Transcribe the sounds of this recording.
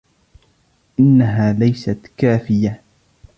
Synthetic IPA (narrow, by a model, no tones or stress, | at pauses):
ʔɪnːaɦaːlajsat̪kaːfɪja